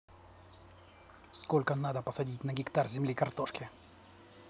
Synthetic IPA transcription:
sko̞lʲkənad̪əpəsɐdʲit̚ʲnəɡʲɪkt̪arzʲɪmlʲikɐrt̪o̞ʂkʲɪ

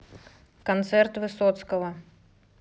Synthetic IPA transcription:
kant̪sɛrt̪vɨsɔt̪skɐvɐ

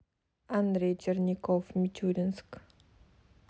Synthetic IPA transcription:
and̪ɾed͡ʒərnʲikɔfmit͡ʃud̪ənsk

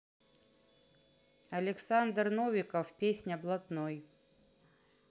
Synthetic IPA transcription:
ɐlʲɪksand̪rnovʲɪkəfpʲesʲnʲɐblˠɐt̪noj

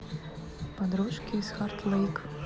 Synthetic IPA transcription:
pad̪ɾuʃkʲiːsxart̪lˠejk

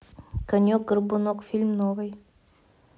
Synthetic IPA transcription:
kɐnʲok̚ɡərbʊnokfʲilʲmnovɨj

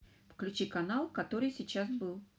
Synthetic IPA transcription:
fklʲʉt͡ɕikɐnalˠkɐt̪o̞ɾɨjsʲɪt͡ɕasbɨlˠ

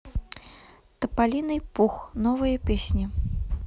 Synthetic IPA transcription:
t̪ɐpalʲinɨjpuxnɔvɨjɐpʲesʲnʲi

